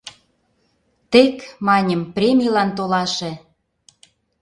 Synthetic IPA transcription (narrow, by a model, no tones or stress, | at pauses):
t̪ekmɑnʲəmprʲemʲilɑnt̪olɑʃĕ